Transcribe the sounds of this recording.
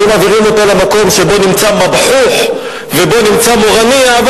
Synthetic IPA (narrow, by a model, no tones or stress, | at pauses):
maːviʁimo̞t̪alemako̞mʃe̞bo̞nimt͡samabħuχ | ve̞bo̞nimt͡samoʁaniav